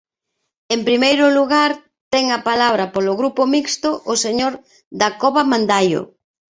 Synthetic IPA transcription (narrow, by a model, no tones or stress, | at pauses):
empɾimejɾʊluɣaɾ | t̪ɛŋɐpalaβ̞ɾɐpolʊɣɾupomikst̪ʊʔoseɲoɾ | ðakoβamãnd̪ajʊ̰